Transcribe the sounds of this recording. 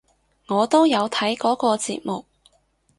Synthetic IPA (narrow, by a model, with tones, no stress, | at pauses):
ŋɔː˨˧t̪o˥wjɐ˨˧wt̪ʰɐ˨˥jkɔː˨˥kɔː˧t͡sḭː˧t̚mʊ˨k̚